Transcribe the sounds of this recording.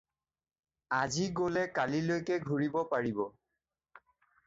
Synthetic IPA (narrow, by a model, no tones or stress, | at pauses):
aziɡolɛkalilojkɛɡʱuɹibɔpaɹibɔ